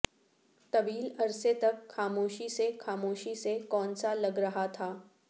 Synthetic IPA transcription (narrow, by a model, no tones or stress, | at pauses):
t̪ɐʋiːlɐɾset̪ɐkxaːmoːʃisexaːmoːʃisekɔːnsalɐɡɾɐɦat̪ʰaː